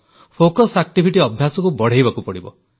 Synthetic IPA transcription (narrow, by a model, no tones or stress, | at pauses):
pʰokɔsak̚ʈibʱiʈiɔbʱjasɔkubɔɽ̤ejbakupɔɽibɔ̰